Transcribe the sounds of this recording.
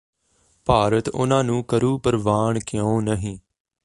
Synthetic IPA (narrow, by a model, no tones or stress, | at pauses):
paːɾət̪ʊ̰nãːnũːkəɾuːpəɾʋaːɳkɪjõːnəɦĩː